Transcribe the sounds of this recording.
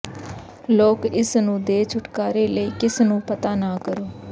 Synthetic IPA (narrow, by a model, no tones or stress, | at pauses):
loːkɪsnũːd̪eːt͡ʃʰʊʈkaːɾeːləiːkɪsnũːpət̪aːnaːkəɾoː